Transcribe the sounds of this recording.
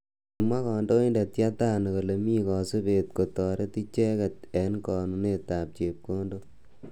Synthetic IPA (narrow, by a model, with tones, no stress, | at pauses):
i˨mwa˦kɔː˨ndo˦i˦nda˨tja˦taː˦n˨ko˨le˨miː˦kɔ˨su˦peː˨t̚ko˨tɔː˨ɾe˦ti˦t͡ʃɛ˦kɛ˨t̚ɛ˨nkɔː˨nu˨ne˨ta˨p̚t͡ʃe˨p̚ko˦ndo˦